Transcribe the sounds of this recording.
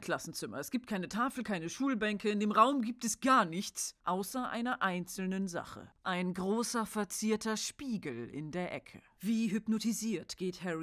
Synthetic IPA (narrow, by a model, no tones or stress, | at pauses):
kʰl̥asn̩t͡sɪmɐ̰ɛsɡ̥iːpt̚kʰaɪnətʰaːfl̩kʰaɪnəʃuːlbɛŋkəɪndeːmʁaʊmɡiːp̚tɛsɡ̥aːɐnɪçt͡sʔaʊsɐʔa̰ɪnɐʔaɪnt͡sl̩nənza̰χə̰ʔaɪnɡʁoːsɐfɛɐt͡siːɐtɐʃpiːɡl̩ɪ̰ndeːɐʔɛ̰kʰə̰ | viːɦʏpnotiziːɐtɡ̥eːthɛʁ